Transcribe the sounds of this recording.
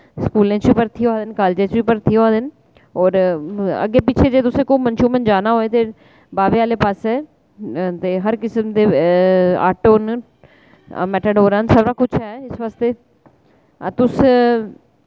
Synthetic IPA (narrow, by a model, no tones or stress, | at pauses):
skuːlẽːt͡ʃʋipəɾt̪ʰiõaːd̪ɪnkaːld͡ʒẽt͡ʃʋiːpəɾt̪ʰijõaːd̪ɪn | ɔːɾə̰ɡeːpɪt͡ʃʰed͡ʒeːt̪ʊsẽkoːmənʃuːmənd͡ʒaːnaɦoːet̪e | baːʋeaːlepaːsɛː | t̪eːɦɐɾkɪsəmd̪eː | a̰ːʈoːn | mɛːʈəɖoːɾənsɐbɾaːkʊt͡ʃʰɦɛːɪsʋaːst̪eː | at̪ʊs